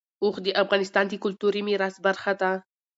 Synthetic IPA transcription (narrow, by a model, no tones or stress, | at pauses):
oxd̪əʔafɣɑnɪst̪ɑnd̪əkʊlt̪uɾimiɾas̚baɾxad̪a